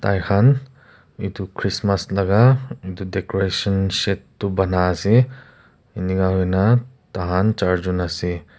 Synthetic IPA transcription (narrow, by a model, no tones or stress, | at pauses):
t̪ajxʰan | idukʰɾismɐslɐɡaidudekoɾesɐnsetːubɐnaːsi | iniɡaɦojna | taɦant͡ʃaɾd͡ʒunasi